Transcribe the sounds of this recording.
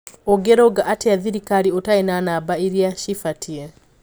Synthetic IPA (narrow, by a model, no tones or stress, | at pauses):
oɡeɾoɡaʔatɛaðiɾikaɾiotaenanabaiɾjaʃifatie